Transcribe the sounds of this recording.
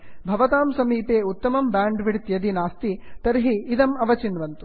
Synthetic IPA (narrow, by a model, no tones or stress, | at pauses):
bʱɐʋɐt̪aːmsɐmiːpeːut̪ːɐmɐmbaːɳɖʋiɽt̪jɐd̪inaːst̪it̪ɐɾɦiːd̪ɐmɐʋɐt͡ʃinʋɐnt̪u̥